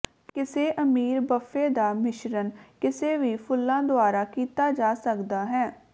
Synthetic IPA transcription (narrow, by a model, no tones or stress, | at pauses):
kɪseːʔəmiːɾbəfʰeːd̪aːmɪʃɾənkɪseːʋiːpʰʊlːãːd̪ʊaːɾaːkiːt̪aːd͡ʒaːsəkd̪aːɦɛː